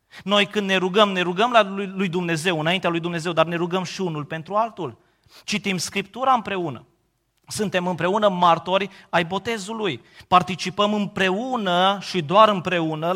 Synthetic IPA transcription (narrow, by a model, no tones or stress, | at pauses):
no̞jkɨnd̪ne̞ɾuɡəmne̞ɾuɡəmlalujd̪umne̞ze̞wɨnaint̪ealujd̪umne̞ze̞wd̪arne̞ɾuɡəmʃiunulpe̞nt̪ɾualt̪ul | t͡ʃit̪imskɾip̚t̪uɾaɨmpɾe̞unə̰ | sunt̪e̞mɨmpɾe̞unəmart̪o̞ɾʲajbo̞t̪e̞zuluj | part̪it͡ʃipəmɨmpɾe̞unəʃid̪oaɾɨmpɾe̞unə